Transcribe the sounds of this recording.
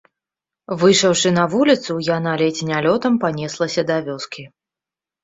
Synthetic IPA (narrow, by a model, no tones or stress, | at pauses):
vɨjʂɐwʂɨnɐvulʲit̪sujanalʲɛt͡sʲinʲalʲɔt̪ɐmpanʲɛslˠɐsʲɐd̪avʲɔskʲʰi